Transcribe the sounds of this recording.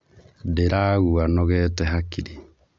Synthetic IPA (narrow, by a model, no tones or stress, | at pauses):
deɾaːɣuanɔɣɛtɛɦakiɾi